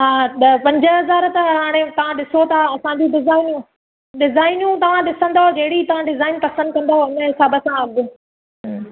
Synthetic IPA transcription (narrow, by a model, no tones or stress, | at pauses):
ɦaːpɐ̃ɲd͡ʑəɦɐzaːɾt̪ɐɦaːɽ̃et̪ɐʋ̤ãɗɪsot̪ʰaɐsãd͡ʑũɖɪzaːɪnjũ | ɗɪzaːɪnjũt̪ɐʋ̤ãɗɪsə̃nd̪aɦod͡ʑɐɦɪɽit̪ɐʋ̤ãɖɪzaːɪnpɐsə̃nd̪̚kɐ̃nd̪aɦoɪnəɪsaːbəsãɐbɪ